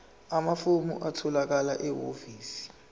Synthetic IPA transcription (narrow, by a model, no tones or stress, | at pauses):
amafumṵʔatʰɔlak̬alaʔɛwoviːsi̥